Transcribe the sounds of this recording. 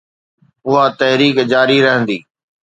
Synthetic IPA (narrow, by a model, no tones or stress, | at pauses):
ʊɦat̪ɐɦɾiːkd͡ʑaːɾiɾɐɦə̃nd̪iː